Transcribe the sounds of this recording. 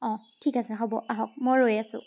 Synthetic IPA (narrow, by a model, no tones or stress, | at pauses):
ɔ̃tʰikasɛxɔbɔʔaɦɔk̚mojɹojasʊ̰̃